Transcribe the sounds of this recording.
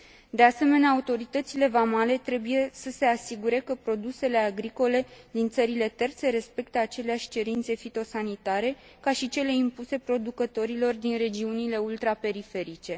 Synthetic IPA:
d̪e̞ase̞me̞neaːut̪o̞ɾit̪ət̪sile̞vamale̞t̪ɾe̞buje̞səse̞asiɡuɾe̞kəpɾo̞d̪use̞le̞aɡɾiko̞le̞d̪int̪səɾile̞t̪e̞rt̪se̞ɾe̞spe̞k̚t̪əat͡ʃe̞leaʃʲt͡ʃe̞ɾint̪se̞fit̪o̞sanit̪aɾe̞ | kaʃit͡ʃe̞le̞impuse̞pɾo̞d̪ukət̪o̞ɾilo̞rd̪inre̞d͡ʒiunile̞ult̪ɾape̞ɾife̞ɾit͡ʃe̞

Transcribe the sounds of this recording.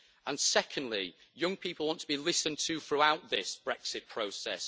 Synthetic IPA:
ə̃nsɛkʰə̃ndˡlɪjʊ̃ŋpʰiˑpəlˠwɒ̃ntʰəbilɪsə̃ntʰəθɹuaʊʔðɪsb̥ɹɛksɪʔpʰɹ̥oʊsɛ̰s

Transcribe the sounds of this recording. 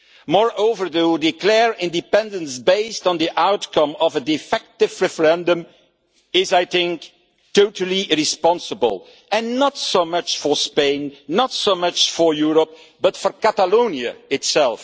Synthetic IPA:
mɔɹoʊvə˞ðuwdɪklɛɹɪ̃ndɨpɛ̃ndə̃nsbeɪstn̩diʔaʊtkʌ̃mɔvədɪfɛk̚tɪvɹɛfəɹɛ̃ndə̃m | ɪzaɪθɪ̃ŋk | toʊtəl̩ˠiɹɪspɑ̃nsəbə̰lˠ | ɨ̃nːətsomʌt͡ʃfə˞spẽɪ̃nːətsoʊmʌt͡ʃfɔ˞juɹəp̚ | b̥ʌtfəɹkætəlõʊ̃niɨ̰ɪtsɛlˠf

